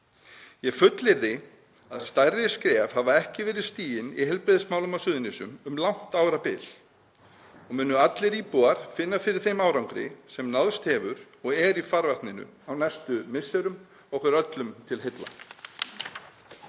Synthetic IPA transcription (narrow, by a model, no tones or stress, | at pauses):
jɛfʏt̪lɪɾðɪ | a̰ðst̪ajrɪskɾɛːvhavaɛhcɪvɛːɾɪðst̪iːjɪnḭɦɛlpɾɪːðɪsmaːwlʏmasʏːðnisʏmʏmlawn̥t̪aːwɾapɪl̥ | ɔmʏːnːʏat̪lɪɾiːpuaɾ̥fɪnːafɪɾɪɾ̥θejmaːwɾawŋkɾɪ̰sɛmnaðst̪hɛːvʏɾ̥ | ɔɣɛɾifaɾvaht̪nɪnʏ̰awnɛst̪ʏmɪsɛɾʏm | ɔhkvʏɾœt̪lʏmt̪ʰɪlɦet̪la̰